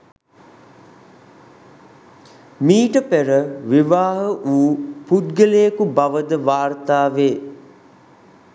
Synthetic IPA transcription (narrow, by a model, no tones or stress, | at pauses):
miːʈəpeɾəʋiʋaːɦəʔuːpud̪ɡəlejəkubaʋəd̪əʋaːrt̪aːʋeː